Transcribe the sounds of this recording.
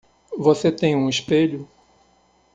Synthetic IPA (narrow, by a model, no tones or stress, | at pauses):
voset̪ẽj̃ũiʃpeʎʊ